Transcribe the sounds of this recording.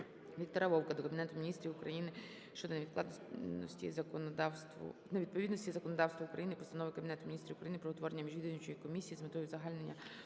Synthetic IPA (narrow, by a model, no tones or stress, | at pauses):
ʋʲik̚t̪ɔɾɐʋɔwkɐd̪ɔkɐbʲnɛt̪ʊmʲinʲist̪ɾʲiʋʊkɾɐjinɪ | ʃt͡ʃɔd̪ɔnɐʋʲid̪k̪ˠɑ̰d̪nnɔ̰sʲtʲḭzɐkɔnd̪ɑwst̪ʋɔ̰nɐʋʲid̪̚pɔʋʲid̪nɔsʲtʲizɐkɔnɔd̪ɑwst̪ʋɐʊkɾɐjinɪpɔst̪ɐnɔʋɪkɐbʲinɛt̪ʊmʲinʲist̪ɾʲiʊkɾɐjinɪpɾɔɔt̪ʋɔɾenʲːɐmʲiʒʲid̪ɪnʲɪt͡ʃɔjikɔmʲisʲijizmɪt̪ɔjʊzɐɦɑlʲne̞nʲːɐ